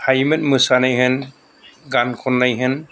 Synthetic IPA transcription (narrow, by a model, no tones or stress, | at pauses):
hajmɯt̚mɯsanajɦɯn | ɡankʰɔnːajɦɯn